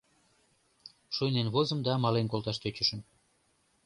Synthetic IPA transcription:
ʃujnenβozə̆md̪ɑmɑlenkolˠt̪ɑʃt̪et͡ɕə̆ʃə̆n

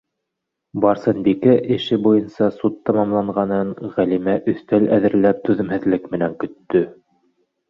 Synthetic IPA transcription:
bɑɾsɤnbikæʔɘ̆ʃɘbujɤnsɑsut̪ːɑmɑmlˠɑɴʁɑnɤɴʁælimæʔɵ̆θt̪ælæðɘ̆ɾlæp̚t̪ʉðɘ̆mhɘ̆ðlɘkmɘ̆næŋkɵ̆t̪ːɵ

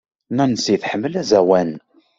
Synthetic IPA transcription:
nænəsiθħəmːəlæzæwæn

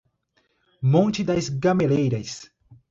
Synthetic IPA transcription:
mõt͡ʃɪd̪ɐzɡɐmelejɾɐs

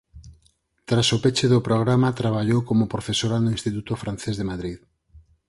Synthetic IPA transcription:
t̪ɾasopet͡ʃeðʊpɾoɣɾamat̪ɾaβ̞aʎowkomʊpɾofesoɾanʊĩnst̪it̪ut̪ofɾan̟θezðemaðɾið

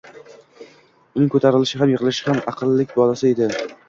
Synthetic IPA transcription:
ʊnɪŋkʰɵt̪ʰaɾɪlɪʃɪɦamjɪʁɨlɪʃɪhamɑqʰɨlːɪkʲbɒlasɪe̞d̪ɪ

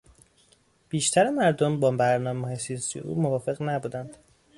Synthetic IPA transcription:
b̥iːʃt̪ʰæɾemæɾd̪ombɒːbæɾnɒːmeɒːjesijɒːsijeʔṵːmovɒːfe̞ɣnæbuːd̪ænd̪̥

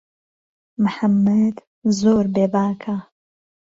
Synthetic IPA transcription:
mɨħamːɐd̪ | zoːɾbeːbaːkʰa

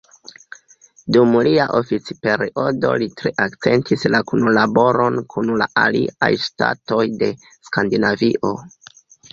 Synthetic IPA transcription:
dumliaʔo̞fit͡si̥pe̞ɾiʔo̞do̞̰litɾe̞ʔakt͡se̞ntʰislakunlabo̞ɾo̞nkʰunla̰ʔalḭʔa̰jsta̰to̞jde̞ | skandinaviʔo̞

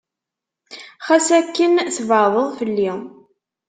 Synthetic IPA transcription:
χæsækːənθvəðˤəðˤfəlːi

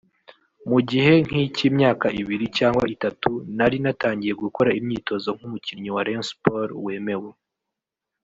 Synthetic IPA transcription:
muɟihe̞ŋ̥hicimɲaːkaʔiβiɾicaːŋɡwa̰itatunaɾinataːɲɟije̞ɡuko̞ɾaimɲiːto̞zo̞ŋ̥humuciɲiwaɾenspoɾwe̞ːme̞we

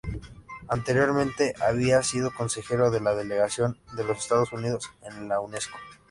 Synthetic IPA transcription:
ant̪e̞ɾjo̞ɾmẽnt̪e̞ʔaβ̞iasiðo̞ko̞nse̞xe̞ɾo̞ðe̞laðe̞le̞ɣasjo̞nd̪e̞lo̞se̞st̪að̞o̞sunið̞o̞senlawne̞sko̥

